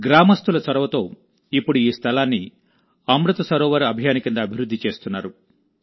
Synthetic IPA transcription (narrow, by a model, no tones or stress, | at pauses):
ɡɾaːmɐst̪ulɐsɐɾɐʋɐt̪o̞ː | ipːuɽuiːst̪ʰɐlaːnːi | ɐmɾut̪ɐsɐɾɔːʋɐɾɐbʱijaːnikind̪ɐːbʱiɾud̪ʱːit͡ʃe̞ːst̪unːaːɾu